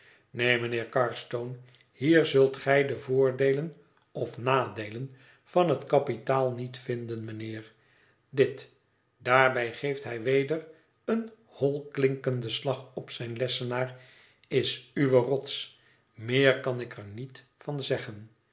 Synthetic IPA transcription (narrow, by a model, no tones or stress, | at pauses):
nejmənɪːɹkɑɹstown | hiːɹzɵlˠtχɛjdəvʊːɹdejlən | ɔfnaːdejlən | fɑnɦətkɑpitaːlˠnitfɪndənmənɪːɹ | dɪt | d̥aːɹbɛjχejftɦɛjʋejdər | ən | hɔlˠklɪŋkəndəslɑχɔpsɛjnlɛsənaːr | ɪsyʋərɔts | mɪːɹkɑnɪkʰəɹnit | fɑnzɛχən